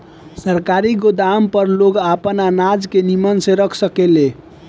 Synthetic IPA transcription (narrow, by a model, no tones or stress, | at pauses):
səɾkaɾiɡod̪ampəɾloɡapənanad͡ʒkenimənsẽɾəkʰsəkele